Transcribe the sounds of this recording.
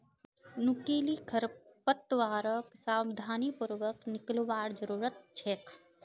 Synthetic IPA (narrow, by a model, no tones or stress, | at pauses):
nukiːlikʰəɾpət̪ʋaːɾəksaːwɪd̪ʱaːnipuɾʋəknɪklʋaːɾd͡ʒəɾuːɾət̪̚t͡ʃʰeːkʰ